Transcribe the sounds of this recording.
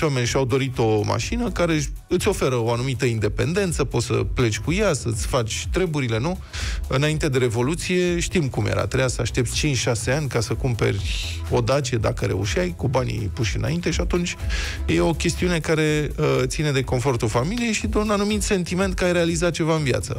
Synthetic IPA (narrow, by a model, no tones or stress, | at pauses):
ame̞nʲʃiawd̪o̞ɾit̪o̞ma̰ʃinəkaɾe̞ | ɨt̪sʲo̞fe̞ɾəo̞anumit̪əind̪e̞pe̞̰nd̪e̞nt̪səpo̞t̪sə̰ple̞t͡ʃʲkujasət̪sʲfat͡ʃʲt̪ɾe̞buɾile̞nu | ɨnaint̪e̞d̪e̞ɾe̞vo̞lut̪sije̞ʃt̪imkumjḛɾa̰t̪ɾejasəaʃt̪e̞p̚t̪sʲt͡ʃint͡ʃʲʃase̞anʲkasəkumpe̞̰rʲ | o̞d̪at͡ʃied̪akəɾe̞̰uʃiajkubanʲḭpuʃɨna̰int̪e̞ʃiat̪unt͡ʃʲjeo̞kʲest̪iune̞kaɾe̞ət̪sine̞d̪e̞ko̞nfo̞rt̪ulfamilije̞jʃid̪unanumit̪se̞nt̪ime̞nt̪̚kaajɾealizat͡ʃe̞vaɨnvja̰t̪sə̰